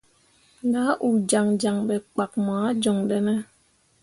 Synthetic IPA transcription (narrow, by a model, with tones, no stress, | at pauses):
ɡa˨˦ʔu˨d͡ʒa˨ŋd͡ʒa˨ŋbɛ˨k͡pa˨k̚maː˨˦d͡ʒɔ˨ŋdɛ˦nɛ˦